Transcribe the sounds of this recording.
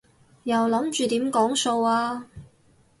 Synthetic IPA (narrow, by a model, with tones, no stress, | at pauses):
jɐ˨wlɐ˨˥mt͡ʃyː˨˧t̪iː˨˥mkɔː˨˥ŋso˧waː˧